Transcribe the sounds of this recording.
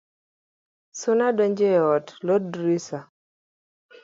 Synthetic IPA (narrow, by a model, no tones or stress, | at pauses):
sʊnadɔɲd͡ʒɛɔtlɔdɾisa